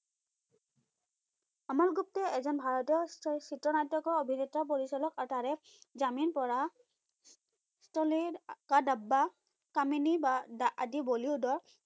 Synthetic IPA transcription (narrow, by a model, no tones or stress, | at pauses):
amalɡup̚tɛɛzɔnbʱaɹɔtɔsitɹɔnajtːɔkɔɹobʱinɛtɹap̬oɹisɔlɔkaɹtaɹɛ | zaminpɔɹa | stɔlikadabːa | kaminibadaʔa̰diboliodɔɹ